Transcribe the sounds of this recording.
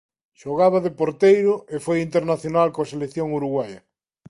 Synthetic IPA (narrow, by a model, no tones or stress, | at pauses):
ʃoɣaβ̞aðepoɾt̪ejɾʊefojint̪eɾnaθjonalkoaselekθjoŋuɾuɣwajɐ